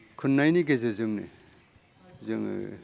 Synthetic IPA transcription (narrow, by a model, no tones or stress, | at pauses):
kʰunːajniɡezɯzɯŋnḭ | zɯŋ̰